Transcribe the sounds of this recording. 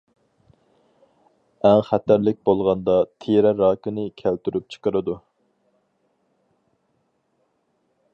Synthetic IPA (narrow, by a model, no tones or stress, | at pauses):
ɛŋχæt̪æɾlɪk̚ʲbolˠʁɑnd̪ɑt̪ʰeɾɛɾɑːkɪnɪkʲʰælt̪yɾyp̚t͡ʃʰə̥qəɾɨd̪u